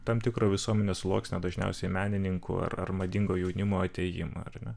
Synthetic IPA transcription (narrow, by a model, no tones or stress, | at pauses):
t̪ɑmt̪ʲɪkɾoːʋʲɪsuɔmʲɛnʲeːsʊlˠoːksʲnʲɛd̪ɐʒʲnʲɛ̰ʊsʲɛɪmʲæːnʲɪnʲɪŋkʰʊ̰ɐ̰rɐ̰rmɐd̪ʲɪŋɡoːjɛʊnʲɪmoːɐt̪ʲɛjɪ̰mɐ̰ɐrnʲɛ